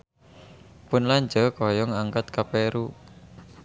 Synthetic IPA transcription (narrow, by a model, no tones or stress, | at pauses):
pʊnlaɲd͡ʒəkɔjɔŋaŋkat̪̚kapeɾu